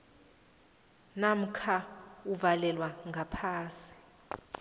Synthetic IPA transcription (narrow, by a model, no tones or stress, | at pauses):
nam̩kʰauvalɛlwaŋɡʱapʰaːsi̥